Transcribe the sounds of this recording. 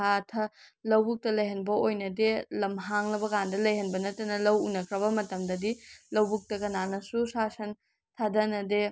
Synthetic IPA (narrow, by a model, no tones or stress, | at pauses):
atʰɐlɐwbuk̚tɐlɐjɦɐnbɐojnɐdelɐmɦaŋlɐbɐkandɐlɐjhɐnbɐnɐtɐnɐlɐwunɐkʰɾɐbɐmɐtɐmdɐdilɐwbuk̚tɐkɐnanɐsusasɐn | tʰadɐnɐde